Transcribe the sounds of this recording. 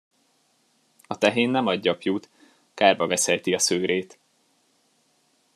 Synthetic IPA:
ɒt̪ɛɦeːnːɛmɒɟːɒpjuːt̪ | kaːrbɒvɛsɛjt̪iɒsøːɾeːt̪

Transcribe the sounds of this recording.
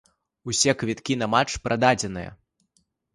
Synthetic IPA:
usʲɛkvʲit̪kʲinɐmat͡ʂpɾʔad̪ad͡zʲɛn̪ɨjɐ̰

